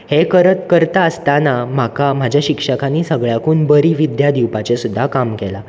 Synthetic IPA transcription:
hekəɾət̪kəɾt̪aəst̪anam̤akam̤ad͡ʑʱjaɕikʂəkaniːsəɡɭjakuːnbəɾiːʋid̪jad̪iwpat͡ɕesud̪ʱːakamkɛla

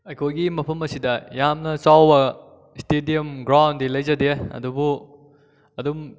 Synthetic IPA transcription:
ɐjkʰojɡimɐpʰɐmɐsidɐjamnɐt͡ʃawbɐ | stediɐmɡɾawndilɐjzɐdeɐ̰dubu | ɐdum

